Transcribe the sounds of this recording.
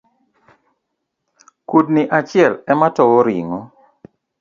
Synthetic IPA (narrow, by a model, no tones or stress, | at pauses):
kudnɪʔat͡ʃɪɛlɛmatɔwoɾḭŋo